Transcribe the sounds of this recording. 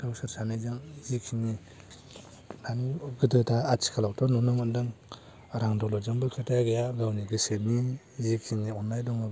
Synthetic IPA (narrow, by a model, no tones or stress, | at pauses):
dawsɯɾsanizɯŋzikʰiŋni | nanɡɯdɯtʰaːt͡ʃʰi̥kʰalaktʰɔnɔnɔmɯndɯŋ | ɾaŋdɔlɔzaŋbɯkʰatajɡejaɡawniɡɯset̚ni | zikʰiŋniɔnːajdɔŋab